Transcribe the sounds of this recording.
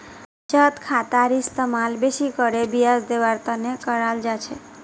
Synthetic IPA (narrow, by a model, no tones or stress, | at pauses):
t͡ʃət̪kʰat̪aɾist̪əmalbeʃikəɾebijasd̪eʋaɾt̪anekəɾald͡ʒat͡ʃʰe